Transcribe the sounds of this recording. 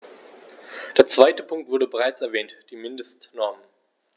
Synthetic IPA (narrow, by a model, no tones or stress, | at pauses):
d̥eːɐt͡sv̥aɪtəpʰʊŋktvʊɐdəbəʁaɪt͡sɛɐvɛːntd̥iːmɪndəstnɔɐmən